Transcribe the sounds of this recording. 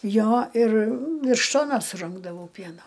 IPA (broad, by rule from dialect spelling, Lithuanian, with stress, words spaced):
ˈjoː ɪr ˈʋʲɪrʃ ˈtoːnoːs sʊˈrʲɪŋɡdɐʋɐʊ ˈpʲiɛnoː